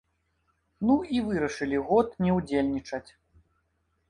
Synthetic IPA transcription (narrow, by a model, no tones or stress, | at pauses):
nuivɨɾɐʂɨlʲiɣɔt̪nʲɛwd͡zʲelʲnʲit͡ʂɐt͡sʲ